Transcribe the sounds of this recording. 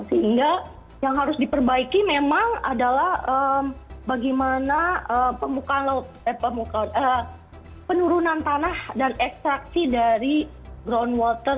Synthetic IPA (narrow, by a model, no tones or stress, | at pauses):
səɦiŋɡa | jaŋɦaɾʊsdipərbaikimemaŋa̰dalahəmbaɡimanaəpəmukanlat̪̚ | əpəmukaanə | pənuɾunant̪anahdanɛkst̪ɾak̚sidaɾi | ɡɾonwɔt̪ər